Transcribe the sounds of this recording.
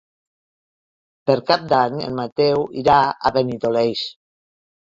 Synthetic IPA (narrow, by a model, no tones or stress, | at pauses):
pəɾkap̚d̪aɲḛnmat̪ɛwiɾaa̰βenit̪olejs